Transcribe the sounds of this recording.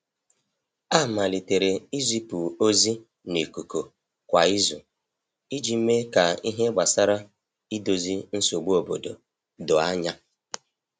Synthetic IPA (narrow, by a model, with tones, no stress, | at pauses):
a˦˨ma˨li˨te˨ɾe˨i˦zi˦pu˨o˦zi˦ | ne˨ku˨ko˨ | kʷa˨i˦zṵ˨ | i˦d͡ʒi˨m̩˦me˦ka˨i˦ɦe˦ɡ͡ba˨sa˦ɾa˦ | i˦do˨zi˦n̩˦so˨ɡ͡bu˦o˨bo˨do̰˨ | dʊ˨a˦ɲa˦